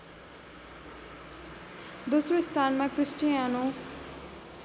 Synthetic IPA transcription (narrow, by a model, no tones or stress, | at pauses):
d̪osrost̪ʰanmakrisʈijano